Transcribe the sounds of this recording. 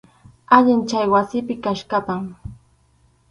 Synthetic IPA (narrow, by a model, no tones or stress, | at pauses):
aʎɪnt͡ʃajwasɪpɪkaʃkapaŋ